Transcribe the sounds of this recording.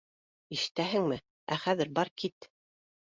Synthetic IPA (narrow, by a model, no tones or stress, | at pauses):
iʃɘ̥̆t̪æɦɘŋmɘ | æ̰χæðɘɾbɑɾkit̪